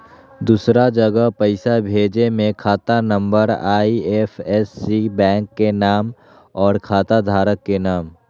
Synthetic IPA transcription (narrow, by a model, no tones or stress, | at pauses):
d̪uːsɾad͡ʒɐɡəɦpɐɪsabʱeːd͡ʒemẽkʰaːt̪anə̃mbəɾaːiɛfɛsːibɛ̃ːŋkːenaːm | ɔːɾkʰaːt̪ad̪ʱaːɾəkːenaːm